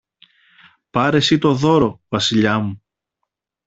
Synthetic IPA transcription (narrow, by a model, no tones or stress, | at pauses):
pɐɾe̞sit̪o̞ðo̞ɾo̞vɐsiʎɐmu